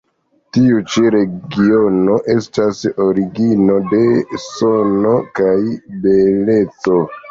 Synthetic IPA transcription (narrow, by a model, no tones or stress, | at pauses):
tiut͡ʃiɾe̞ɡio̞no̞ʔe̞stasoɾiɡino̞de̞sono̞kajbe̞le̞t͡so̞